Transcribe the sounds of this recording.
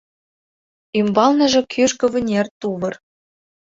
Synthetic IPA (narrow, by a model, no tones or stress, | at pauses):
ymbɑlnɤ̆ʒɤ̆kʰyʃkɤ̆βɘ̆nʲert̪uβɤ̆r